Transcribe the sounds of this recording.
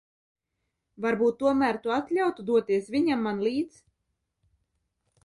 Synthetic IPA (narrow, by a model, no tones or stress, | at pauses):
vaɾbuːt̪ːuɔmæːɾt̪uat̪lʲawt̪ud̪uɔt̪iɛsvʲiɲamːanlʲˠiːt̪s